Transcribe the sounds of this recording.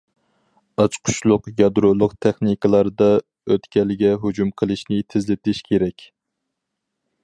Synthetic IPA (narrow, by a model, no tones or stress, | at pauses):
ɑt͡ʃqʰʊ̥t͡ʃlˠʊqjɑd̪ɾolˠʊqt̪ʰɛχnikɨlˠɑɾd̪ɑ | øt̪kʲɛlɪɡʲɛɦud͡ʒumqʰəlˠɨʃnɪt̪ʰɪzlɪt̪ʰɪʃkʲʰeɾɛkʲ